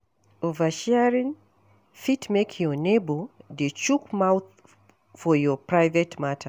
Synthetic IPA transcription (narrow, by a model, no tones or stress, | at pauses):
ovəʃɛɹĩn | fitmekʰjɔnebodet͡ʃukmawθ | fɔjɔpʰɹaɪvɛtmatʰə